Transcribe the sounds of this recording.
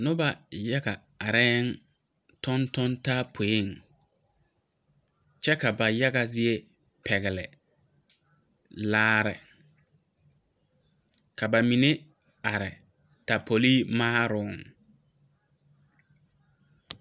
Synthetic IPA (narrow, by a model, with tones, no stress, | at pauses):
nʊ˦ba˨ja˦ɡa˨ | a˨ɾɛː˦n | tɔ˦ntɔ˦nta˦pʰo˨e˦˨ŋ | t͡ʃɛ˦ka˨ba˨ja˦ɡa˨zɪ˦e˦ | pʰɛ˨ɣɪ˨lɪ̰˨ | laː˦ɾɪ̰˨ | ka˨ba˨mi˨ne˦ | a˨ɾɪ˨ | ta˨pʰo˨liː˦maː˦ɾʊ˦˨ŋ